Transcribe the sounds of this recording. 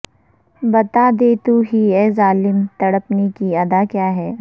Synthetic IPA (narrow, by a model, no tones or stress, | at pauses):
bɐt̪aːd̪eːt̪uɦiɛːzaːlɪmt̪ɐɽəpnekiɐd̪akjaːɦɛː